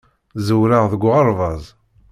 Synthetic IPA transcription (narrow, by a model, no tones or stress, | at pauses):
zəwɾaʁðəɡʷʁɑɾˤvɑzˤ